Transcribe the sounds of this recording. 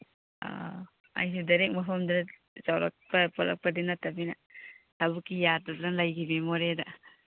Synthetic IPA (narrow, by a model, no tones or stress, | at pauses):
a̰ | a̰js̬udɐɾek̚mɐpʰɐmdɐ | zawɾɐ̰k̚pɐpɔlɐ̰k̚pɐdinɐtɐbinɐ | tabukːijatɐdɐlajkʰibemoɾedɐ